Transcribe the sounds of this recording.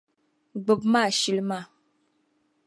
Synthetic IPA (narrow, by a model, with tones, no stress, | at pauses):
ɡ͡bə˨p̚ma˦˨ʃi˨lma˦˨